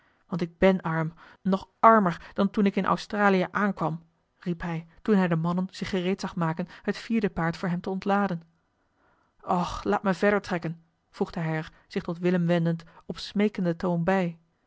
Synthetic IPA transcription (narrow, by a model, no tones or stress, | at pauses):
ʋɑntɪɡ̚bɛnɑɹm | nɔχɑɹməɹd̥ɑntunɪkɪnʔɔ̰wstraːlijəʔaːnkʋɑm | ripɦɛjtunɦɛjdəmɑnənz̥ɪχːərejtsɑχmaːkənɦətfiːɹdəpaːɹtfʊːɹɦɛmtəɔntlaːdən | ʔɔχlaːtməvɛɹdəɹtrɛkən | v̥ruχdəɦɛjəɹ | z̥ɪχtɔtʋɪləmʋɛndəntɔpsmejkəndətownbɛj